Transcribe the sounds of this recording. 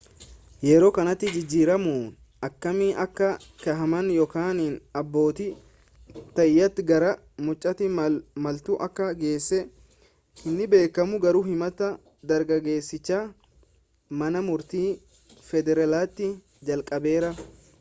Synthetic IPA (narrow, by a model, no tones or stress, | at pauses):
jɛɾo̞ːkɐnɐt̪ːɪd͡ʒɪd͡ʒːiːɾɐmuːn | ɐkːɐmiːʔɐkːɐkɐɦɐmɐnjɔkaːninɐbːo̞ːt̪ɪ | t̪ɐjːɐt̪ːɡɐɾɐ | mʊt͡ʃʼːɐt̪ɪmɐlt̪ʊʔɐkːɐɡe̞ːsːɛ | hɪnːɪbe̞ːkːɐmʊɡɐɾuːhɪmɐt̪ɐ | d̪ɐɾɡɐɡe̞ːsːɪt͡ʃːaː | mɐnɐmʊɾt̪iː | fɛd̪ɛɾɐlaːt̪ːɪ | d͡ʒɐlkʼɐbe̞ːɾɐ